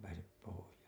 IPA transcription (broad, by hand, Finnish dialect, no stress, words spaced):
pæːsep pohojɑːŋkɑː